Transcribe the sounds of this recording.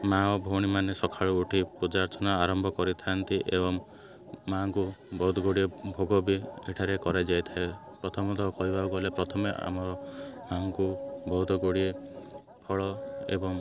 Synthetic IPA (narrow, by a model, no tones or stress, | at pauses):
maɔbʱowɽ̃imanesɔkʰaɭuuʈʰipud͡ʒaɾt͡ʃɔnaaɾɔmbʱɔkɔɾit̪ʰant̪iʔebɔŋː | aŋkubɔɦut̪ɔɡoɽiebʱoɡɔbieʈʰaɾekɔɾed͡ʒajt̪ʰaepɾɔt̪ʰɔmɔt̪ɔkɔɦibʱaukɔlepɾɔt̪ʰɔmeʔa̰mɔɾɔmaŋkubɔɦut̪ɔɡoɽie | pʰɔɭɔḛbɔŋ